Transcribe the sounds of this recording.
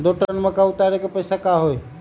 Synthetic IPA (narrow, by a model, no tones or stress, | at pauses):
d̪oʈənmẽkaʊt̪aɾekepəɪsakaɦoe